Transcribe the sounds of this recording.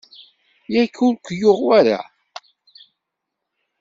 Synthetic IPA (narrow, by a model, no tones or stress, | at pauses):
jækːulkʷjʊʁwæɾa̰